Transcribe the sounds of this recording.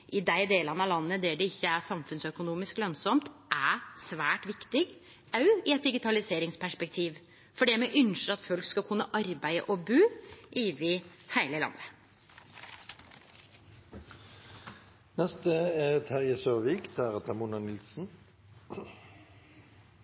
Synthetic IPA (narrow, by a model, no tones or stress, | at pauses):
ʔɪd̪æɪd̪eːlənɑlɑnːəd̪æɖɛɪçːəæsɑmfʉnsœkʊnuːmɪsklœnsɔmt̪ʔæsʋæːʈʋɪkt̪ɪɡ | ʔɑʉɪɛt̪̚d̪ɪɡɪt̪ʰɑlɪseːɾɪŋspʰæʂpɛk̚t̪ʰiːʋ | fɔɖɛmɛʔʏnʂəɾɑt̪fœlkskɑkʰʉnːəʔɑɾbæɪə̰ʔɔbʉːʔɪːʋɪhæɪləlɑ̰nːə | nɛst̪əet̪ʰhæʁjəsøːʋiːkd̪æʁət̪ʰɑmunənɪlsn̩